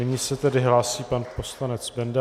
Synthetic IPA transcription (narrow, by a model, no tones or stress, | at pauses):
ɪɲiːsɛt̪ɛdɪɦlaːsiːpanpo̞slanɛt͡sbɛndɛ